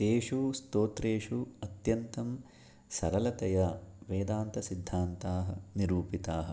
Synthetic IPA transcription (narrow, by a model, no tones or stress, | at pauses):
t̪eːʂust̪oːt̪ɾeːʂuɐt̪jɐnt̪ɐm | sɐɾɐlɐt̪ɐjɐʋeːd̪aːnt̪ɐsid̪ʱːaːnt̪aːɦɐ̆niɾuːpit̪aːɦɐ̆